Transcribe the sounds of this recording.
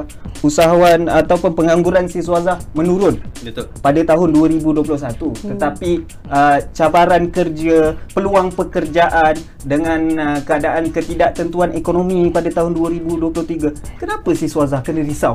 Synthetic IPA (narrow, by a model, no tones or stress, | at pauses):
usaɦaanat̪awpʊnpəŋaŋɡuɾansisuazahmə̃nuɾʊnpadat̪aɦʊnduəɾibuduəp̬lʊhs̬at̪ut̪ət̪api | ət͡ʃabaɾankərd͡ʒəpəluaŋpəkərd͡ʒaʔan | dəŋãnkəadaʔankət̪idaʔt̪ənt̪uanekonomĩpadat̪aɦʊnduəɾibuduəplʊht̪iɡakənãpəsisuazahkənəɾisaw